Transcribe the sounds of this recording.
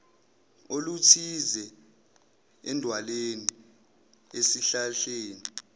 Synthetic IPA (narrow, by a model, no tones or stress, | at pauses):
olutʰizɛ | ɛndʱwaleni | esiɬaɬeːni